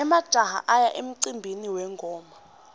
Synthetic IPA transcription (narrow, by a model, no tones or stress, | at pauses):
ɛmad̥ʒ̥ʱaha̰ʔajaʔem̩ǀimbʱiniwɛŋɡʱɔːma